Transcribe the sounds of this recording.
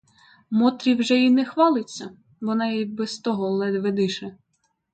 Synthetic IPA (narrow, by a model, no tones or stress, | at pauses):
mɔt̪ɾʲiwʒɛinɛxʋɑlˠɪt͡sʲːɐ | ʋɔnɑjibɛst̪ɔɦɔlˠɛd̪ʋed̪ɪʃɛ